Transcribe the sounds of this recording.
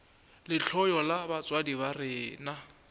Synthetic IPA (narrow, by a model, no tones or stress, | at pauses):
lɪɬʰɔjɔlabat͡sʼwadiβarɪːna